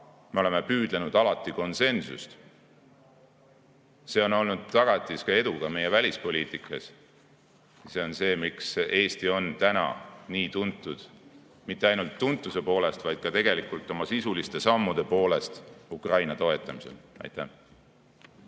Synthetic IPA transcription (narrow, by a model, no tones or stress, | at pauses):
meo̞le̞mepyːd̪̥lenud̪̥ɑlɑt̪ːˑiko̞nse̞nsṵst̪ | se̞ːo̞no̞lnud̪̥̚t̪ːɑɡ̥ɑt̪ˑːiskɑe̞d̪̥uɡ̥ɑme̞je̞vælʲispo̞lʲiːt̪ˑikːˑɑs | seo̞nse̞ːmikse̞ːst̪io̞nt̪ænɑ̰niːt̪unt̪ːˑud̪̥ | mit̪ːˑe̞ɑjnult̪ːunt̪ːˑuse̞po̞ːle̞st̪vɑjd̪̥̚kɑt̪e̞ɡ̥e̞likˑult̪ːˑo̞mɑsisulist̪e̞sɑmːud̪̥e̞po̞ːle̞st̪ukrɑjnɑt̪o̞e̞t̪ːˑɑmiselɑ̰jt̪ːˑæ